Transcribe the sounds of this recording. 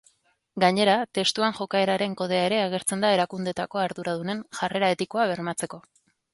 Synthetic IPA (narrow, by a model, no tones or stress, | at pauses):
ɡaɲe̞ɾat̪e̞st̪uaŋʝo̞kae̞ɾaɾe̞ŋko̞ð̞e̞ae̞ɾe̞aɣ̞e̞ɾt͡se̞nd̪ae̞ɾakund̪e̞t̪ako̞aɾðuɾað̞une̞nʝare̞ɾae̞t̪iko̞aβ̞e̞ɾmat͡se̞ko̞